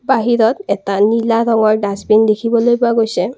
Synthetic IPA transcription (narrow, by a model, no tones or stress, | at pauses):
baɦiɹɔtɛtanilaɾɔŋɔɹdãsbindekʰibɔlojpʊaɡojsɛ